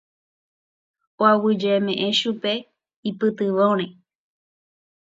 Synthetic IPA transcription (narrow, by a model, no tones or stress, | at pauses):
oawɨd͡ʒeemẽʔẽʃupe | ipɨt̪ɨʋõɾ̃ẽ